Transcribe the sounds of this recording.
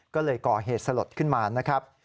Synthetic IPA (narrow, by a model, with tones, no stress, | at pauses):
kɔː˥˩lɤː˧jkɔː˨˩ɦeː˨˩t̪̚sa˧lo˨˩t̪̚kʰɯ˥˩nmaː˧na˦˥kʰɾa˦˥p̚